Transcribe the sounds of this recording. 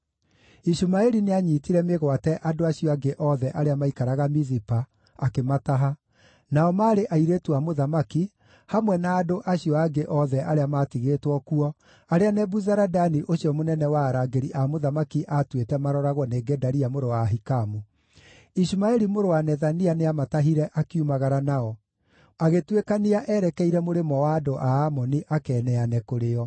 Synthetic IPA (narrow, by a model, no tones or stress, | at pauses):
iʃumaɛɾineaɲiːtiɾɛmeɣwatɛʔadoaɕiɔaɡeʔɔðɛʔaɾeamaikaɾaɣamizipaː | kemataɦa | naɔmaːɾeʔaiɾetuamoðamaki | hamwɛnaːdoʔaɕijɔaɡeʔɔðɛʔaɾeamatiɣeːtwɔkuɔ | aɾeanɛbuzaɾadaniʔoɕjɔmonɛnɛwaːɾaɡeɾiʔamoðamakiʔatwetɛmaɾɔɾaɣwɔneːɡɛdaɾiamoɾowaɦikamu | iʃimaɛɾimoɾowanɛðanianeamataɦiɾɛʔakiumaɣaɾanaɔ | aɣetwekaniaʔɛɾɛkɛiɾɛmoɾemɔwaːdoʔaamɔniʔakɛːnɛanɛkoɾeɔ